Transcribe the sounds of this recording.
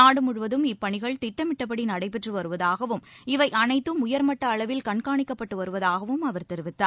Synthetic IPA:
aːɽɯmʊɻɯʋɐðɯmɪpːɐɳɪɣɐɭt̪ɪʈːɐmɪʈːɐp̬ːɐɽinɐɽɐɪp̬ɛʈrɯʋɐɾɯʋɐðaːɣɐʋɯmɪʋɐɪʔɐnɐɪt̪ːɯmʊjɐɾmɐʈːɐːɭɐʋɪlkɐɳkaːɳɪkːɐpːɐʈːɯʋɐɾɯʋɐðaːɣɐʋɯmɐʋɐɾt̪ɛɾɯʋɪt̪ːaːɾ

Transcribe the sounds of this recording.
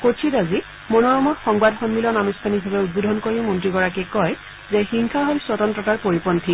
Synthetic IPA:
kotʰitazi | monɔɹɔmɔtxɔŋbadxɔnmilɔnamistʰanibʱabɛut̚bodʱɔnkoɹiʊmɔntɹiɡɔɹakɛkɔj | zɛxiŋkʰaɦolsɔtɔntɹɔtaɹpoɹipɔntʰi

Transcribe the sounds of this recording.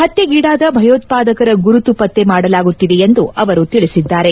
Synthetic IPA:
hɐt̪ːeɡiːɽaːd̪ɐbʱɐjoːt̪̚paːd̪ɐkɐɾɐɡuɾut̪upɐt̪ːe̞maːɽɐlaːɡut̪ːid̪e̞ːnd̪uʔɐʋɐɾut̪iɭisid̪ːaːɾe̞

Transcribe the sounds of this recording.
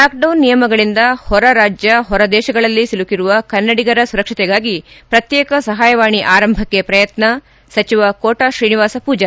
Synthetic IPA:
laːk̚ɖɐwnːijɐmɐɡɐɭind̪ɐhɔɾɐɾaːd͡ʒjɐɦɔɾɐd̪ɛːʃɐɡɐɭɐlːisilukiɾuʋɐkɐnːɐɽiɡɐɾɐsuɾɐkʂit̪ɛɡaːɡipɾɐt̪jɛːkɐsɐɦaːjɐʋaːɳiʔaːɾɐmbʱɐkːepɾɐjɐt̪nɐ | sɐt͡ʃiʋɐkoːʈaʃɾiːniʋaːsɐpuːd͡ʒɐ

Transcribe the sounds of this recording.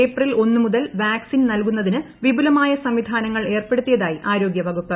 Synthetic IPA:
eːprilo̞nːɨmuðɐlʋaːksinnɐlkunːɐðinɨ | ʋibulɐmaːjɐsɐmʋid̪ʱaːnɐŋːɐɭe̞ːrpe̞ɽut̪ːijɐðaːjiʔaːɾo̞ːɡjɐbʱɐɡupːɐ

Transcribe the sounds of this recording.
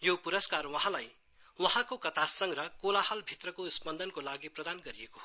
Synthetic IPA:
jopuɾʌskarwʌɦãlaj | wʌɦãkokʌt̪asʌŋɾʌkolahʌlbʱit̪rʌkosbʌnd̪ʱʌnkolaɡiprʌd̪anɡʌɾiekoɦ

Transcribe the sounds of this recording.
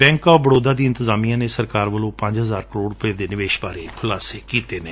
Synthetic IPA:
bɛ̃ːŋkɔːbəɽoːd̪aːd̪iːɪ̃nt̪əzaːmijãːneːsəɾkaːɾʋəlõːpə̃ɲd͡ʒɦəzaːɾkəɾoːɽɾʊpeːd̪eːnɪʋeːʃbaːɾeːkʰʊlaːseːkiːt̪eːneː

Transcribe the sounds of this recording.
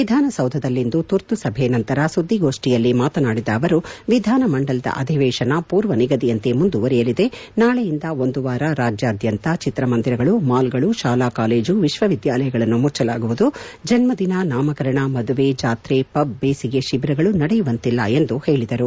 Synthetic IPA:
ʋid̪ʱaːnɐsɐwd̪ʱɐd̪ɐlːind̪ut̪uɾt̪usɐbʱenɐnt̪ɐɾɐsud̪ʱːiɡo̞ːʂʈijɐlːimaːt̪ɐnaːɽid̪ɐːʋɐɾuʋid̪ʱaːnɐmɐɳɖɐlɐd̪ɐ̰ʔɐ̰d̪ʱiʋɛːʃɐnɐpuːɾʋɐniɡɐd̪iɐnt̪e̞mund̪uʋɐɾɛjɐlid̪e̞naːɭejind̪ɐo̞nd̪uʋaːɾɐɾaːd͡ʒjɐːd̪jɐnt̪ɐt͡ʃit̪ɾɐmɐnd̪iɾɐɡɐɭumaːlɡɐɭuʃaːlaːkaːle̞ːd͡ʒuʋiʃʋɐʋid̪jaːlɐjɐɡɐɭɐnːumuɾt͡ʃɐlaːɡuʋud̪u | d͡ʒɐnmɐd̪inɐnaːmɐkɐɾɐɳɐmɐd̪uʋed͡ʒaːt̪ɾepɐbːeːsiɡe̞ʃibɾɐɡɐɭunɐɽɛjuʋɐnt̪ilːɐ̰e̞nd̪uhe̞ːɭid̪ɐɾu

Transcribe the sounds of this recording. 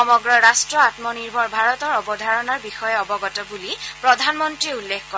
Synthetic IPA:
ɔmɔɡɹɔɹastɹɔatmɔniɹbʱɔɹbʱaɹɔtɔɹɔbɔdʱaɹɔnaɹbixɔjɛɔbɔɡɔtɔbulipɹɔdʱanmɔntɹiulːekkɔ

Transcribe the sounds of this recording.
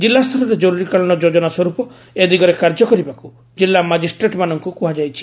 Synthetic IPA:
d͡ʒilːast̪ʰɔɾɔɾed͡ʒɔɾuɾikaɭɔɽ̃ɔd͡ʒod͡ʒɔnaswɔɾupɔ | ed̪iɡɔɾekaɾd͡ʒɔkɔɾibaku | d͡ʒilːamad͡ʒisʈɾeʈmanɔŋkukuɦad͡ʒajt͡ʃʰi̥

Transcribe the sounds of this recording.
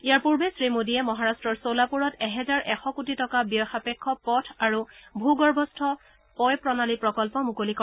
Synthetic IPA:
ijaɹpuɹbesɹimodiɛmɔɦaɹastɹɔɹsolapuɹɔtɛɦɛzaɹʔɛxɔkut̬itɔkabijɔxapɛkʰːɔpɔtʰaɹubʱuɡɔɹbʱɔstʰɔ | pɔjpɹɔnalipɹɔkɔlpɔmukolikɔ

